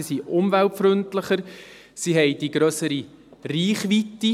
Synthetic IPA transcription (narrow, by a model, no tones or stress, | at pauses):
isiʔʊmvæltfɾʏntləχəɾ | siɦɛjd̥iɡɾœsəɾi | riːχʋitːi